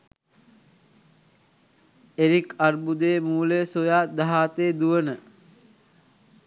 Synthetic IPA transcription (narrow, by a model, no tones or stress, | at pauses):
eɾikarbud̪eːmuːlesojaːd̪aɦaːt̪eːd̪uʋənə